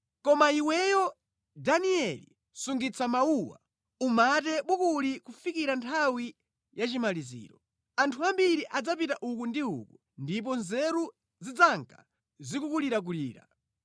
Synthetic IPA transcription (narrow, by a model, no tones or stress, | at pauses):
kɔmaiwɛjɔ | daniɛlḭ | suŋɡit͡sʰamauwa̰ | umatɛɓukulikufikiɾantʰawi | jat͡ʃimalizḭːɾɔ | antʰuambiɾiʔad͡zap̬itaʔukundiṵku | ndip̬ɔnzɛɾu | zid͡zaŋkʰḁ̰ | zikukuliɾak̬ulḭːɾa̰